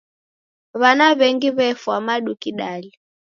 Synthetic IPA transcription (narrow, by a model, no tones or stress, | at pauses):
βanaβɛŋɡiβɛfwamaɗukiɗali